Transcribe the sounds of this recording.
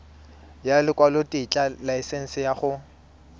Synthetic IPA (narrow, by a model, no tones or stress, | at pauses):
jalɪkʼwalotʼit͡ɬʼalaɪsen̩sɪjaχʊ